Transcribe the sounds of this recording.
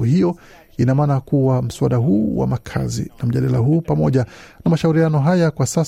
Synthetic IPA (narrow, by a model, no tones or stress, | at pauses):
uhijɔ | inamaːnakuwam̩suwaɗaɦuːwa̰makʰa̰zḭnam̩ʄaɗalaɦuːpamɔʄanamaʃauɾianɔɦajakwasas